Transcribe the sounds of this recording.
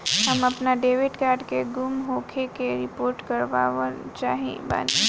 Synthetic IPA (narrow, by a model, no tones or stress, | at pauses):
ɦɐmɐpnaɖeːʋɪʈkaːɾɖkeɡʊmɦoːkʰekeɾɪpoːɾʈkɐɾʋaːʋt͡ʃaːɦiḛ̃ba̰ːni